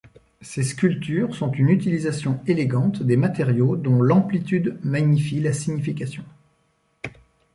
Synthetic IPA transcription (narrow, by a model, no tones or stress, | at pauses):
seskʲylt̪yʁsɔ̃t̪ynyt̪ilizasjɔ̃eleɡɑ̃t̪d̪emat̪eʁjod̪ɔ̃lɑ̃plit̪yd̪maɲifilasiɲifikʲasjɔ̃